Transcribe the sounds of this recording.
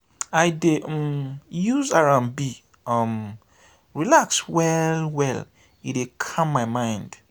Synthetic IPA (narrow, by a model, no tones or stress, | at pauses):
aɪdeʔ | juzaɹãmbi | ʌm | ɹilakswɛlwɛl | iekʰãmːaɪmãɪ̃nd̥